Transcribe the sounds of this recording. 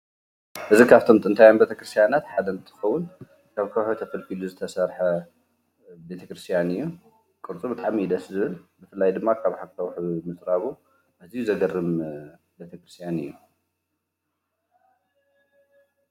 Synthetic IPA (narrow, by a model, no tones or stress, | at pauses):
ʔɨzikʰaβt̪ʰo̞mt̪ʼɨnt̪ʰajanbet̪ʰɐkɾɨst̪ʰjanat̪ħad̪ɐnt̪ʰɨ̥xɐwːʊn | kʰaβkʰɐwħot̪ʰɐfɐlkiluzɨt̪ʰɐsɐɾħɐ | be̞t̪ʰɐkɾɨst̪ʰijanɨjːu | kʼɨɾt͡sʼubɨt̪ʼaʕmid̪ɐszɨβɨlbɨfɨlːajd̪ɨmːakʰaβħakʰɐwħβmɨt͡sʼɾaβu | ʔazijuzɐɡɐrːɨm | be̞t̪ʰɐkɾɨst̪ʰjanɨ̰jːu